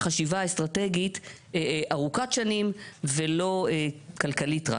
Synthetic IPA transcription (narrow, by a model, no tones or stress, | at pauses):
χaʃivaest̪ʁateɡit | ʔaʁukatʃanimvelo̞ekalkalitʁa̰